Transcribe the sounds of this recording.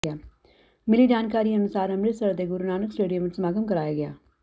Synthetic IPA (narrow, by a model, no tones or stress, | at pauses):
aː | mɪliːd͡ʒaːnkaːɾiːənʊsaːɾəmɾɪsəɾd̪eːɡʊɾunaːnəksʈeːɖijəmɪt͡ʃsəmaːɡəmkəɾaːjaːɡɪa̰ː